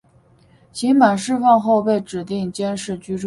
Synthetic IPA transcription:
t͡ɕʰi˧˥ŋma˨˩nʂɻ̩˥˧fɑ˥˧ŋxo˥˧ʊpe˥˩ɪʈ͡ʂɻ̩˨˩t̪i˥˩ŋt͡ɕjɛ˥nʂɻ̩˥˩t͡ɕy˥ʈ͡ʂ

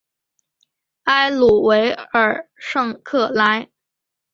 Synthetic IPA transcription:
a˥ɪlu˨˩we˧˥ɪə˞˨˩ʂɤ˥˧ŋkʰɤ˥˩la˥ɪ

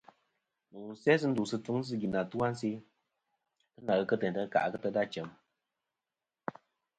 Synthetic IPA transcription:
nu˨ŋ˨˦sɛ˦s̬ɨ˦n̩˦du˨sɨ˧tu˦ŋ˦s̬ɨ˦ɡi˨na˨tu˦a˦n̩˦si˦ | tɨ˦na˨ɣə˧kə˦tɛ˨n˨tə˦ka̰˨ʔkə˦tə˦da˦t͡ʃɛ˨˦m

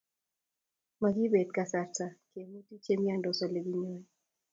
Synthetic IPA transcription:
ma˨ɡi˦be˨d̚ka˨sa˦ta˨ke˨mu˦ti˦t͡ʃe˦mja˦ndɔ˨sɔ˨le˨ɡi˦ɲɔ˦ɛ

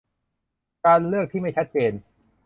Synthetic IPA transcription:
kaː˧nlɯ˥˩ək̚t̪ʰiː˥˩ma˥˩jt͡ɕʰa˦˥t̪̚t͡ɕeː˧n

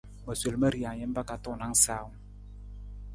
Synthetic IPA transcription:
ma˨se˨lma˦ɾi˨a˨ɲɛ˦mba˦ka˨t̪u˦˨na˦ŋsa˨w

